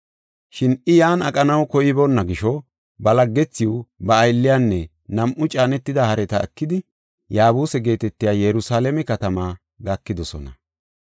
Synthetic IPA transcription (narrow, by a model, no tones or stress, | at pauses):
ʃɪnɪjaːnɐkʼɐnɐwkɔjɪbɔnːɐɡɪʃɔ | bɐlɐɡːɛt͡sːɪʊbɐːjlːɪjaːnːɛ | nɐmʔʊt͡ʃʼaːnɛt̪ːɪd̪ɐhɐɾɛt̪ɐɛ̰kːɪd̪ɪ | jaːbuːsɛɡe̞ːt̪ɛt̪ːɪjaːjɛɾʊsaːlɛmɛkɐt̪ɐmaː | ɡɐkːɪd̪ɔsɔ̰nɐ